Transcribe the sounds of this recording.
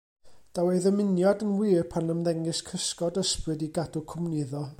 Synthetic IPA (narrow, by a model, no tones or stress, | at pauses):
d̥aweɨðəmɪnjadənwɪːpʰanəmðɛŋɨskʰəskɔdəsprɨdiɡadʊkʰʊmnɪðɔ